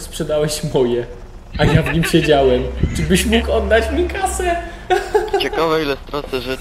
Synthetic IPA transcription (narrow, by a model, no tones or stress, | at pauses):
spʂɛd̪awɛɕmɔjɛ | ʔajavɲimɕed͡ʑawɛmt͡ʂɨbɘɕmukɔd̪ːat͡ɕmʲikasɛ | t͡ɕekavɛilɛft̪ɾɔst̪ɛʐɛ